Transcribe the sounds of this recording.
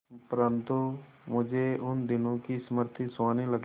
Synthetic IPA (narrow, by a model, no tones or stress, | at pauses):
pəɾə̃nt̪u | mʊd͡ʒʱeʊnd̪ɪnõkisəməɾt̪ʰiswaːniləɡ